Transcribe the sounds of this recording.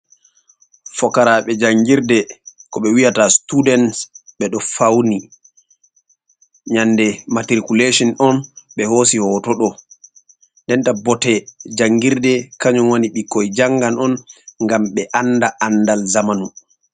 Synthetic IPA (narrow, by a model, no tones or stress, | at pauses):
fɔkaɾaɓɛd͡ʒaŋɡiɾdɛkɔɓɛwijatastudɛnsɓɛɗɔfawni | ɲandɛmatɾikuleʃɔnɔnɓɛhoːsihɔːtɔɗɔ | ndɛntabɔtɛd͡ʒaŋɡiɾdɛkaɲumwaniɓikːɔjd͡ʒaŋɡanɔnŋɡamɓɛʔandaʔandalzamanu